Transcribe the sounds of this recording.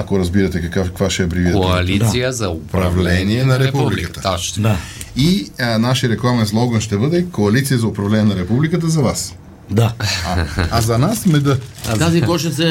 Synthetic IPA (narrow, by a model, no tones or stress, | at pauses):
akoɾɐzbiɾɐt̪ɛkɐkakvaʃɛpɾivid̪ɛoalisijəzɐopɾɐvlɛniɛnɐɾɛpuublikət̪ə̥d̪ainaʃiəɾɛklˠamɛnslˠɔɡənʃt̪ɛbəd̪ɛikoɐlit̪sijəzɐʊpɾɐvlɛniɛnɐɾɛpublikət̪̬əzɐvas | d̪aaazɐnasmɛd̪ət̪azikɔʃəsɛ